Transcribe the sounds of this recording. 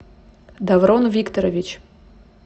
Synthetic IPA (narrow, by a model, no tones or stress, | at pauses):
d̪avɾonvʲikt̪oɾɐvʲit͡ʃ